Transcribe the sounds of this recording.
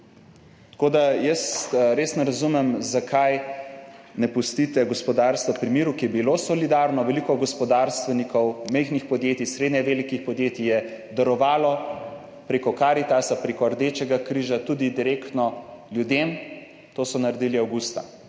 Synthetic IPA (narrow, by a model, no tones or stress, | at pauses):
t̪koːd̪ajəsɾeːsnɛɾɐzumɛmzakʰaj | nɛpust̪it̪ɛɡɔspɔd̪aɾst̪ʋapɾimiːɾukijɛbilosɔlid̪aɾnɔʋɛlikɔɡɔspɔd̪aɾst̪ʋɛnikɔwmɛjxnixpɔd̪jeːt̪isɾed̪ɲɛʋeːlikixpɔd̪jeːt̪ijɛ | d̪ɐɾɔʋaːlɔ | pɾeːkɔkaːɾit̪asapɾekɔɾd̪eːt͡ʃɛɡakɾiːʒat̪ud̪id̪iɾeːkt̪nɔljud̪em | t̪oːsɔnaɾɛd̪iliawɡust̪a̰